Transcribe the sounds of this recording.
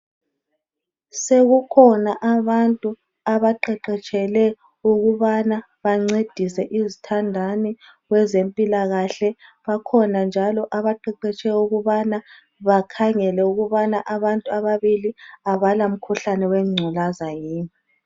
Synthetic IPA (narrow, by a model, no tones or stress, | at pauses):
seɣukʰɔnaʔaβantʼu | aβaǃɛǃɛt͡ʃʼɛlɛ | uɣuβana | βaŋ͡ǀed̥ʱisɛʔizitʰandʱani | ɣwɛzempʼilaɣaɬɛβakʰɔnand͡ʒʱalɔʔaβaǃɛǃɛt͡ʃʼɛuɣuβana | βakʰaŋɛlɛuɣuβanaʔaβantʼuaβaβiliaβalam̩kʰuɬanɛwɛŋ͡ǀʱulazajiːni